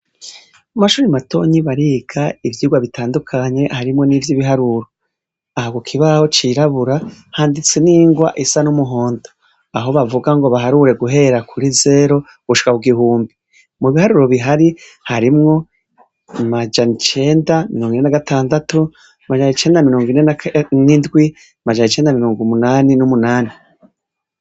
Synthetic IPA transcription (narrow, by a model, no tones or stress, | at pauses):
amaʃuːɾimato̞̰ːɲiβaɾiːɡ̥aivjiːɡwaβitʰaːndukʰaɲe̞haɾimŋo̞nivjiβiɦaɾuɾo̞ | ahaɡokʰiβaho̞t͡ʃiɾaβuɾahaːndit͡seniːŋɡwa̰ʔisanumuɦo̞ːndo | aɦo̞βavuɡaŋɡo̞βaɦaɾuɾe̞ɡuɦe̞ɾakʰuɾize̞ːɾo̞ | β̥uʃi̥kakuɡiɦuːmbi | muβihaɾuɾo̞βiɦaɾi | haɾimŋo̞ | mad͡ʒanit͡ʃe̞ːndamiɾoːŋɡinenaɡatʰaːndatu | mad͡ʒanit͡ʃe̞ːndamiɾoːŋɡinenindɡwi | mad͡ʒanit͡ʃe̞ːndamiɾoːŋɡumunaːninumunaːni